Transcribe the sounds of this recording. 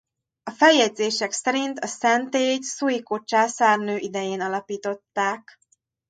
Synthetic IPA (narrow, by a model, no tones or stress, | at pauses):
ɒfɛjɛd̪zeːʃɛksɛɾint̪ɒsɛnt̪eːcsujikot͡ʃaːsaːrnøːʔid̪ɛjeːnɒlɒpiːt̪o̞t̪ːaːk